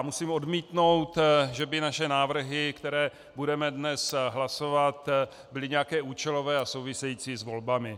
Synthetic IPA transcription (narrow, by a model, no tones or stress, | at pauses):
musiːmo̞dmiːt̪no̞wt̪ʒɛbɪnaʃɛnaːvr̩ɦɪkt̪ɛɾɛː | budɛmɛdnɛsɦlaso̞vat̪ | bɪlɪɲɛjakɛːuːt͡ʃɛlo̞vɛːasowvɪsɛjiːt͡sizvo̞lbamɪ